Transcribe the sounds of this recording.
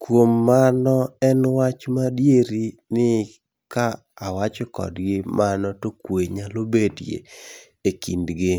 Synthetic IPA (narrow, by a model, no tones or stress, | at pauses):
kwomːanɔɛnwat͡ʃmadjeɾinɪ | kaː | wat͡ʃɔkɔ̰dɡɪmʔanɔtokweɲalobedjḛ | ekindɡɪ